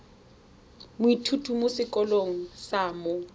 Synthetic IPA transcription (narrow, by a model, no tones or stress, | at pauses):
mʊitʰutʰumʊsɪkʼɔloŋ̩saːmʊ